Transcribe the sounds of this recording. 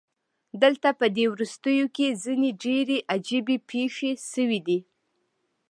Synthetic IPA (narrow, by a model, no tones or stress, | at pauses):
d̪əlt̪apəd̪ewɾust̪əjokezineɖeɾeʔad͡ʒibepʰeʃeʃəwid̪i